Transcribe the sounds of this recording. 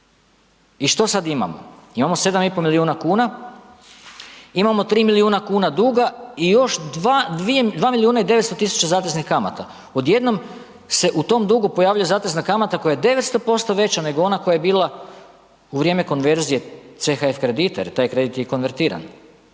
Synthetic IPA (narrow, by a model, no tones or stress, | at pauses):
iʃt̪o̞sad̪ima̰mo̰imamo̞se̞d̪amipomiliuːnakuːna | imamo̞t̪ɾiːmiliuːnakuːnad̪uɡaijo̞ʃd̪ad̪ʋied̪ʋaːmiliuːnaid̪e̞ʋet̪st̪o̞t̪isu̥t͡ɕazaːt̪eznixkama̰t̪a | o̞d̪je̞d̪no̞m | se̞ʔut̪o̞md̪uɡopojaːʋʎujezaːt̪eznakamat̪ako̞jajed̪e̞ʋe̞t̪st̪o̞po̞st̪o̞ʋe̞t͡ɕane̞ɡoo̞nakojajebiːlˠa | uʋɾijeːme̞ko̞nʋe̞ɾzije̞t̪se̞xaefkɾed̪it̪ḛt̪aːjkɾe̞d̪it̪jeko̞nʋe̞ɾt̪iːɾa̰n